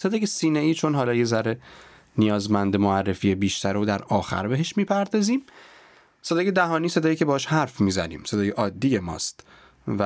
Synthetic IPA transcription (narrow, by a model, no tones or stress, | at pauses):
se̞d̪ɒːjesiːneiːt͡ʃʰo̞nɦɒːlɒːjezæɾe | nijɒːzmænd̪emoærːefiːebiːʃt̪ʰæɾod̪æɾɒːxæ̰ɾbeɦeʃmiːpʰæɾd̪ɒːziːm | se̞d̪ɒːje̞d̪æɦɒːniːse̞d̪ɒːjecʰebɒɒʃhæɾfmiːzænḭːmse̞d̪ɒːjeʔɒːd̪ːiːje̞mɒ̰ːst̪ | væ